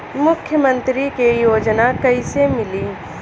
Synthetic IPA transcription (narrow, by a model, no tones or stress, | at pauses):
mʊkʰjəmə̃nt̪ɾikejoːd͡ʒnakɐisemɪliː